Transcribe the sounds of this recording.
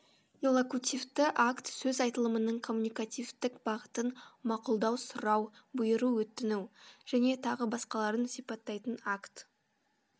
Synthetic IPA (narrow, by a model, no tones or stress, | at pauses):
elˠokut̪ʲift̪ɪʔakt̪sɵzɑjt̪əlˠəmənəɴkʰo̞mːunijkat̪ijft̪ɪkbɑʁət̪ənmɑqʊlˠd̪ɑwsʊɾɑwbʊjəɾuwɵt̪ːɪnuwʒ̥æne̞t̪ʰɑʁəbɑsqɑlˠɑɾənsipɑt̪ːɑjt̪ənakt̪